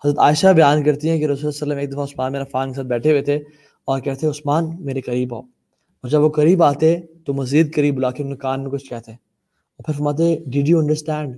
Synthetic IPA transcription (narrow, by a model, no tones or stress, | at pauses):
ɦɐzɾət̪aːɪʃabɐjaːnkɐɾt̪iɦɛ̃keɾɐuːssəlːəmeːk̚d̪ɐfaʊsmãːnmeːɾafãːŋks̬aːt̪̚bɛːʈʰeʋet̪ʰe | ɔːɾkɛɦt̪ʰeʊsmaːnmeːɾekɐɾiːba̰ː | ɔːɾd͡ʒɐbʋokɐɾiːbaːt̪et̪omɐziːd̪̚kɐɾiːbʊlaːkʰenẽkaːnmẽkʊt͡ʃʰkɛɦt̪e | ɔːɾpʰɪɾfɐɾmaːt̪̬eɖɪɖjuɐ̃ɳɖəɾsʈɛ̃ːɳɖ